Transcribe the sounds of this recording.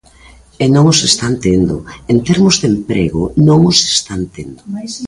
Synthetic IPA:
enõŋosest̪ant̪end̪ʊent̪ɛɾmʊzðempɾeɣʊnõŋose̥st̪ant̪end̪ʊ

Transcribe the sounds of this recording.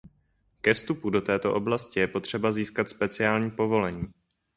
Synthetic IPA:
kɛfst̪upudo̞t̪ɛːt̪o̞̰ʔo̞blascɪjɛpo̞t̪r̝̥ɛbaziːskat̪spɛt͡sɪaːlɲiːpo̞vo̞lɛɲiː

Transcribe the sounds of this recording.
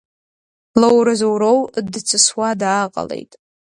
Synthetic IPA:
lowɾɨzowɾowdt͡sʰɨswadaːqʼa̰le̞̰jtʼ

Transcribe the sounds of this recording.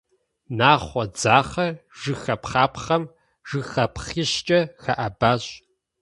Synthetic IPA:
naːχʷɔd͡zaːχɐʒɨxɐpχaːpχɐm | ʒ̥ɨxɐpχiːɕt͡ʃʼɐxɐʔɐbaːɕʼ

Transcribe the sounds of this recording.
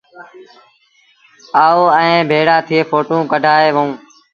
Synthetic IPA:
aːoːɛ̃ːbʱeːɽaːt̪ʰɪeːfʰoːʈũːkəɖʱaːeːʋəũː

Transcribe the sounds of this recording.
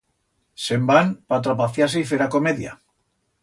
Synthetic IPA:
sembanpat̪ɾapaθjas̬eifeɾako̞meðja̰

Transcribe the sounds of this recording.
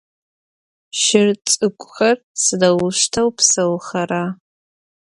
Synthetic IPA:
ʃɪrt͡sʼɨkʷʼxɐr | sɨdawʊʃtʰɐwpʰsɐwxɐɾa

